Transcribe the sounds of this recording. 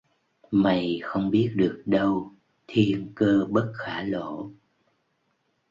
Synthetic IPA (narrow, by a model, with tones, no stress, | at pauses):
ma˨˩jxə˧wŋ͡mɓi˦˥ət̚ɗɨ˨˩ək̚ɗə˧w | t̪ʰi˧ənkəː˧ɓə˦˥t̚xaː˧˩lo̰˧˨